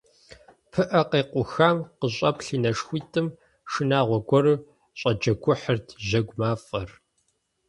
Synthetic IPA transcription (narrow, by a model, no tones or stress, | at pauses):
pʰɨʔɐqeːqʷʊxaːmqəɕʼɐpɬiːnɐʂxʷiːtʼɨm | ʂɨnaːʁʷɔɡʷɔɾɨ | ɕʷʼɐd͡ʒɐɡʷʊħərtʰʑɐɡʷmaːfʼɐr